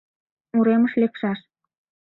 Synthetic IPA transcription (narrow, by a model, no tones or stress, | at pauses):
muɾeməʃlekʃɑʃ